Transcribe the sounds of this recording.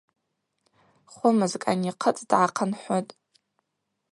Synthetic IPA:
χʷʊmɨzkʼa̰niqʰət͡sʼdʕaqʰənħʷotʼ

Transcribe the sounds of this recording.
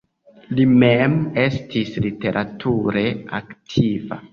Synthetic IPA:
limeme̞stʰislite̞ɾʔatʰuɾe̞aktʰiva̰

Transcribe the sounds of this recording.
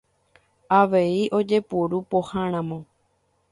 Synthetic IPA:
aʋe̞iʔo̞d͡ʒe̞puɾupohãɾ̃ãmõ

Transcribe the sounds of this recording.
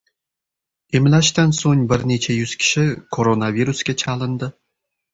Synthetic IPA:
emlʲæʃt̪ænsonʲbɘ̆rʲnʲet͡ɕʰejyskʲɪ̥ɕɘ̆kʰoɾonavʲiruskʲet͡ɕʰɑlˠɤ̆nd̪ɤ̆

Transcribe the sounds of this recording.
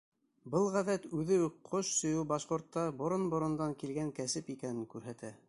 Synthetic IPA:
bɤlˠʁæðæt̪ʉðɘqʰoʃsɵ̆jɘwbɑʃqŏɾt̪ːɑbŏɾonbŏɾŏnd̪ɑŋkilɡæŋkæsɘpikænɘŋkʉɾɦæt̪æ

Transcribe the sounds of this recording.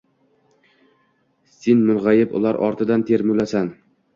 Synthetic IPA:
senmʊnʁajɪpʊ̰lˠaɾʔɒ̰ɾt̪ʰɪd̪ant̪ʰe̞ɾmʊlasan

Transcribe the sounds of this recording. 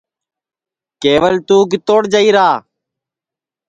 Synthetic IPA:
keːʋəlt̪uːk̬ɪt̪oːɽd͡ʒəiːɾaː

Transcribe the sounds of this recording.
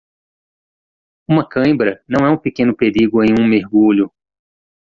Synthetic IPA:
ũmɐkɐ̃bɾɐnɐ̃w̃ɛũpekẽnʊpeɾiɡʊẽj̃ũmeɾɡuʎʊ

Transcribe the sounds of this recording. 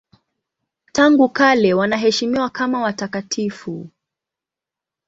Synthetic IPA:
taŋɡukalɛwanaɦɛʃimiwakamawatakatʰifu

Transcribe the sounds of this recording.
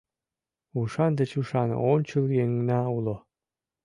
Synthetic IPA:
uʃɑnd̪ɘ̆t͡ɕuʃɑn̰ont͡ɕuljeŋnæulo

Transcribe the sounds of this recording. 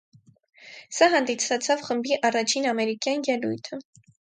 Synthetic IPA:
sɑɦɑnd̪isʰɑt͡sʰɑvχəmbiʔɑrɑt͡ʃʰinɑmɛɾikjɑnjɛlujt̪ʰə

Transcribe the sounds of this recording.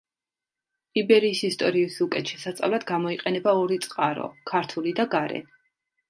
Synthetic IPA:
ibɛɾiːsist̪ʼɔɾiːsukʼɛt̪ʃɛsat̪sʼa̰vlad̪̥ɡamɔiqʼɛnɛbaɔɾit̪sʼqʼaɾɔ̰kʰaɾt̪ʰulid̪aɡaɾɛ̰

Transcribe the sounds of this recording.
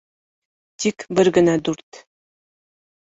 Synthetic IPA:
t̪ikbɘ̆ɾɡɘ̆nɑd̪uɾt̪

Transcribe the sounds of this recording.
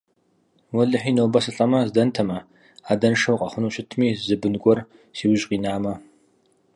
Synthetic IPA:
wɐɮɨħiːnowbɐsɨɬʼɐmɐzdɐntʰɐmɐ | aːdɐnʂɐwqʼɐχʷʊnuːɕɪtʰmiːzɨbɨnɡʷɔr | siːwʊʑʼqʼiːnaːmɐ

